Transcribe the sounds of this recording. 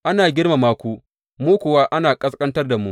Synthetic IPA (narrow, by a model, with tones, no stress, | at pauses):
ʔa˦naː˨ɡʲɪ˦rma˨maː˦kʷu˦ | muː˦kʷʊ˨waː˦ʔa˦naː˨kʼɐ˦skʼɐ˦ntɐ˦rda˨mṵ˦ʔ